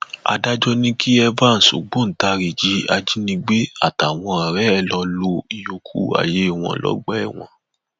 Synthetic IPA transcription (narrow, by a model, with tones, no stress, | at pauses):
a̰˧da˦d͡ʒɔ˦nĩ˦kʰi˦ɛ˧vã˦˨n̩˨so̰˨ɡ͡bo˦n̩˨˦ta˧ɾi˨d͡ʒi˨˦a˧d͡ʒi˦nĩ˧ɡ͡be˦a̰˦˨ta˨w̃ɔ̃˧a˨ɾɛ˨˦ɛ˦˨lɔ˧lo˧i˨jo˧˨kʰu˦˨a̰˨je˨˦i˦˨w̃ɔ̰̃˧˨lɔ̰˦ɡ͡bɛ˦ɛ˦˨w̃ɔ̰̃˧